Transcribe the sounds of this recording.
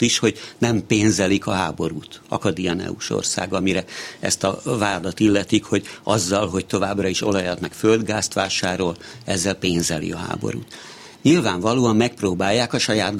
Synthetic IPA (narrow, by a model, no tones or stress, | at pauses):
t̪iʃho̞ɟnɛmpeːnzɛlikɒɦaːbo̞ɾuːt̪ɒ̰kɒd̪iɛnɛ̰uʃo̰rsa̰ːɡɒmiɾɛɛ̰st̪ɒvaːd̪ɒt̪ilːɛt̪ikho̞ɟɒzːɒlɦo̞c̚t̪o̞vaːbrɒiʃo̞lɒjɒt̪nɛkføld̪ɡaːst̪ʋaːʃaːɾo̞lɛzːɛlpeːnzɛlḭɒɦa̰ːbo̰ɾṵːt̪ | ɲilvaːɱvɒloːɒmːɛk̚proːbaːjːaːkɒʃɒjaːd̪